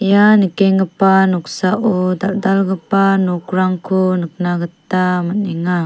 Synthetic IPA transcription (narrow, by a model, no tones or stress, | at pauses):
ijanəkɛŋɡəpanuksaʔudaʔ̚dalɡəpanukuɾaŋkʰunək̚naɡət̪aməniŋa